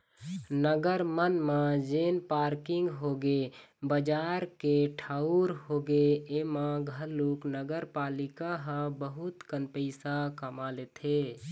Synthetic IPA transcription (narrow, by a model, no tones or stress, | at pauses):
nəɡəɾmənmãd͡ʒeːnpaːɾkɪŋɡɦoːɡebəd͡ʒaːɾkeʈʰaːuɾɦoːɡeemãɡʱəɾloːknəɡəɾpaːlɪkaɦə̃bəɦʊt̪kənpəɪsakəmaleːt̪ʰe